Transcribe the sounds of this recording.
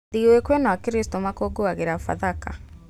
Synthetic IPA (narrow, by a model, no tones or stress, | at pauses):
ðiwekwenaakiɾistɔmakoːɡoaɣeɾafa̰ðaka̰